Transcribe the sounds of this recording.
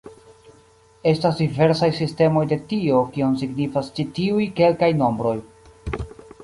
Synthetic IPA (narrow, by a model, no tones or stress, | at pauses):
e̞stasdive̞ɾsajsiste̞mo̞jde̞tio̞kionsiɡnifast͡ʃitiujke̞lkajno̞mbɾo̞j